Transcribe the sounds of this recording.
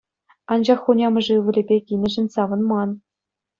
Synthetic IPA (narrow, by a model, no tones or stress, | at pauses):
ɑnd͡ʑɑχːunʲɑmɤ̆ʐɘʋʲɘ̆lʲĕbʲekʲinʲɘ̆ʐɘ̆nʲsɑʋɤ̆nmɑn